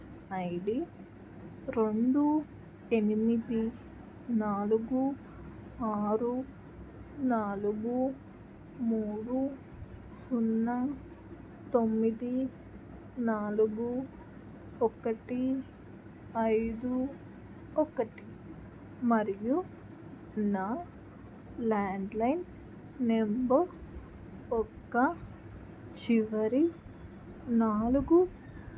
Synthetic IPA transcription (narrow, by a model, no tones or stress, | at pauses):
ɐjɽi | ɾe̞ɳɖu | enimid̪i | naːluɡu | aːɾu | naːluɡu | muːɽu | sunːɐ | t̪omːid̪i | naːluɡu | ɔkɐʈi | ɐjd̪u | ɔkɐʈi̥ | mɐɾiju | na | laːɳɖlɐjnː | embɐɾ | ɔkːɐ | t͡ʃiʋɐɾi | naːluɡu